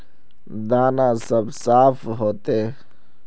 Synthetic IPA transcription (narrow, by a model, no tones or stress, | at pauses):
d̪aːnãsəbsaːpʰɦoːt̪e